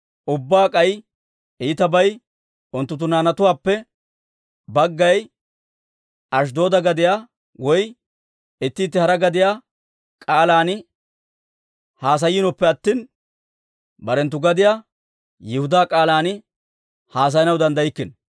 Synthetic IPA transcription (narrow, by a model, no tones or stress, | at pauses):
ʔʊbːaːkʼɐj | iːt̪ɐbɐj | ʊnt̪ːʊt̪ːʊnaːnɐt̪ʊwaːpːɛ | bɐɡːɐj | ʔɐʃ̬d̪o̞ːd̪ɐɡɐd̪ɪjaː | wɔj | ɪt̪ːiːt̪ːɪhɐɾɐɡɐd̪ɪjaː | kʼaːlaːnɪ | haːs̬ɐjːɪnɔpːɛɐt̪ːiːn | bɐɾɛnt̪̬ːʊɡɐd̪ɪjaː | jɪhʊd̪aːkʼaːlaːnɪ | haːs̬ɐjnɐwd̪ɐnd̪ɐjɪkːɪn